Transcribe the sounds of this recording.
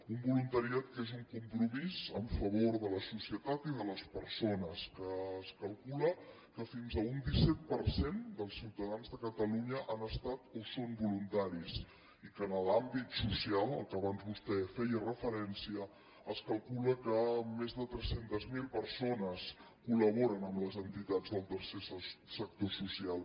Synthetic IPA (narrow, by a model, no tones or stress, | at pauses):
umbulunt̪əɾiat̪̚kezuŋkumpɾumizəɱfəβ̞oɾðələsusiət̪at̪iðələspəɾsonəskəːskəlˠkulə | kəfinzəund̪isɛt̪̚pəɾsend̪əlˠsiwt̪əðanzðəkət̪əluɲəʔanəst̪at̪osombulunt̪aɾis | ikənəlambit̪susialˠə̰lˠkəβanzβust̪ɛfɛjərəfəɾɛnsiə | əskəlˠkuləkəmezðət̪ɾɛsent̪əzmilˠpəɾsonəs | kuləβoɾənəmləzənt̪it̪ad͡zəlˠt̪əɾsessək̚t̪osusialˠ